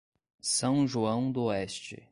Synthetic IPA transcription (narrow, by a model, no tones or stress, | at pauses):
sɐ̃w̃ʒuɐ̃w̃d̪ʊɛst͡ʃɪ̰